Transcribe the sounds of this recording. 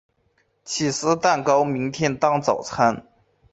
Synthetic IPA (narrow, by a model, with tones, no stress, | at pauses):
t͡ɕʰi˨˩sɹ̩˥t̪a˥˩nkɑ˥ʊmi˧˥ŋt̪ʰjɛ˥nt̪ɑ˥ŋt͡sɑ˨˩ʊt͡sʰa˥n